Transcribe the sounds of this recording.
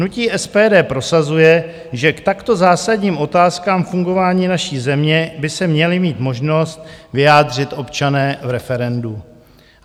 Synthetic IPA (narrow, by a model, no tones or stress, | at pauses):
nuciːʔɛspɛːdɛːpɾo̞sazujɛ | ʒɛkt̪akt̪o̞zaːsaɟɲiːmʔo̞t̪aːskaːmfuŋɡo̞vaːɲiːnaʃiːzɛmɲɛbɪsɛmɲɛlɪmiːt̪mo̞ʒno̞st̪̚vɪjaːdr̝ɪt̪ʔo̞pt͡ʃanɛːvɾɛfɛɾɛndu